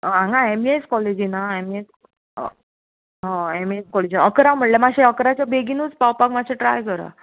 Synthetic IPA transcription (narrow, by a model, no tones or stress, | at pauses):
ãŋɡãemieskɔled͡ʑinaemies | ɦãemieskɔled͡ʑinaəkɾawm̤əʈljamaɕeəkɾat͡ɕjabeɡinuːt͡spawpakmaɕeʈɾajkəɾa̰